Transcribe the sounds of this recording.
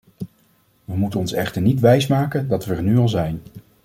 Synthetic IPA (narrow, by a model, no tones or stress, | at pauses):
ʋəmutənɔnsɛχtəɹnitʋɛjsmaːkəndɑtʋəːɹnyɑlˠzɛjn